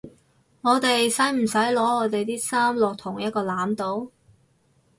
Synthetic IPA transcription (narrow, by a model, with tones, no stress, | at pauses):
ŋɔː˨˧t̪e˨jsɐ˨˥jm̩˨˩sɐ˨˥jlɔː˨˥ɔː˨˧t̪e˨jt̪iː˥saː˥mlɔː˨k̚t̪ʰʊ˨˩ŋjɐ˥t̚kɔː˧laː˨˥mt̪o˨˥w